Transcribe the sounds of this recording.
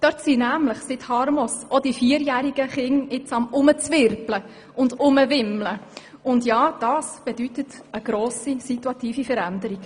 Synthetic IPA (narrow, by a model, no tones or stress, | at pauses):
d̥œtsinæːmləχsɪthɑɾmɔsɔdifiːəɾjæːɾiɡəχɪŋɪt͡sɑmʊmət͡sʋɪɾplə | ʊndʊməʋɪmlə | ʊndjɑːd̥ɑːsb̥ɛd̥ytət | əɡ̥ɾoːsisituɑt̪iːfifəɾændəɾiɡ̥